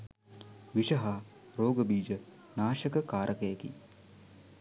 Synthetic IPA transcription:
ʋiʃɐɦaː | ɾoːɡəbiːd͡ʒə | naːʃəkəkaːɾʔəkəjekḭ

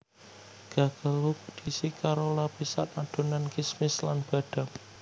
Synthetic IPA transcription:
ɡ̥a̤ɡ̥alopud̪̥isikaɾolapisa̰t̪ad̪̥o̤nankismɪslanb̥a̤ɖ̥a̤p

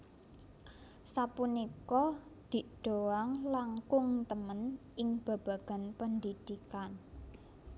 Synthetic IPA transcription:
sapunikɔd̪̥i̤ɖ̥oaŋlaŋkʊŋt̪əmənɪŋb̥a̤b̥a̤ɡ̥a̤npənd̪id̪̥ikan

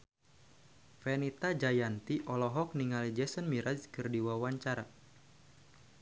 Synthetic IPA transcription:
fɛnit̪ad͡ʒajant̪iʔɔlɔɦɔk̚niŋalid͡ʒɛsɔnmiɾad͡ʒkɨrdiwawaɲt͡ʃaɾa

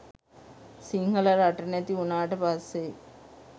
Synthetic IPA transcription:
siŋɡɐlɐɾɐʈːɐnɐt̪iunaːʈɐpasːe

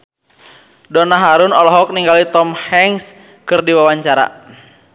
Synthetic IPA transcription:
dɔnaɦaɾunɔlɔɦɔk̚niŋɡalit̪ɔmhɛŋs | kɨrdiwawaɲt͡ʃaɾa̰

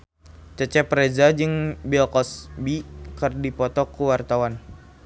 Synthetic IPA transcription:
t͡ʃət͡ʃɛpɾezad͡ʒɨŋbilkɔsbikɨrdipɔt̪ɔkuwart̪awan

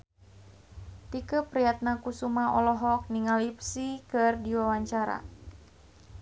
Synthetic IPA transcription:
t̪ikəpɾijat̪̚nakusumaʔɔlɔɦɔk̚niŋalipsikɨrdiwawaɲt͡ʃaɾa̰

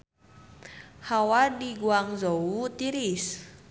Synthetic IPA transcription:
hawadiɡuaŋzowut̪iɾis

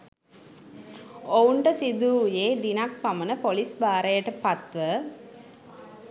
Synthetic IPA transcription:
ouɳʈəsid̪uːjeːd̪inak̚pamənəpolisbaːɾejəʈəpat̪ʋə

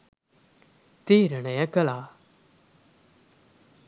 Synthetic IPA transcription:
t̪eːɾənajakəlaː

